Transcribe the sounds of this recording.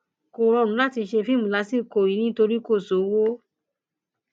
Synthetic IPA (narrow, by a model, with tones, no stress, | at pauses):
ko˨ɾɔ˧˨ɾũ˨˦la˦ti˧ʃe˧fĩ˦mũ˨la˨˧˦si˦˨ko˨i˨˦nĩ˦to˧ɾi˦ko˦˨so˨˦wo˦